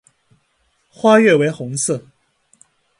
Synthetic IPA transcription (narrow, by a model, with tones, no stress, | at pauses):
xwa˥ɥɛ˥˩we˧˥ɪxʊ˧˥ŋs̩ʰ˥˩